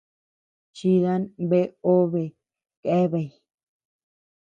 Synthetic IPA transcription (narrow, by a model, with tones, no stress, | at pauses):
t͡ʃi˧ða˦nbe˦o˦βe˨ | ke˦βe˧˨j